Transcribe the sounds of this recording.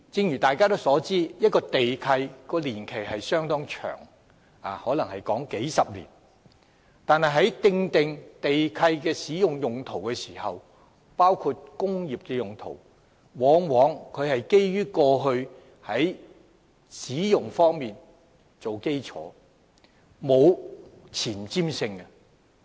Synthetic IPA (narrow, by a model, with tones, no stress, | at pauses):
t͡sɪ˧ŋjyː˨˩t̪aː˨˩jkaː˥t̪o˥wsɔː˨˥t͡siː˥jɐ˥t̚kɔː˧t̪e˨jkʰɐ˧jkɔː˧liː˨˩nkʰe˨˩jhɐ˨jsœː˥ŋt̪ɔː˥ŋt͡ʃʰœ̰ː˨˩ŋ | aː˨hɔː˨˥lɐ˨˩ŋhɐ˨jkɔː˨˥ŋke˨˥jsɐ˨p̚lḭː˨˩n | t̪aː˨nhɐ˨jɦɐ˨˥jt̪ɪ˧ŋt̪ɪ˨ŋt̪e˨jkʰɐ˧jkɛː˧siː˨˥jʊ˨ŋjʊ˨ŋt̪ʰo˨˩wkɛː˧siː˨˩hɐ˨w | paː˥wkʰuː˧t̚kʊ˥ŋjiː˨p̚kɛː˧jʊ˨ŋt̪ʰo̰˨˩w | wɔː˨˥ŋwɔː˨˥ŋkʰɵ˨˧ɥhɐ˨jke˥jjyː˥kɔː˧ɦɵ˧ɥ | hɐ˨˥j | siː˨˥jʊ˨ŋfɔː˥ŋmiː˨n | t͡so˨wke˥jt͡sʰɔ̰ː˨˥ | mo˨˧wt͡sʰiː˨˩nt͡siː˥msɪ˧ŋɐ˧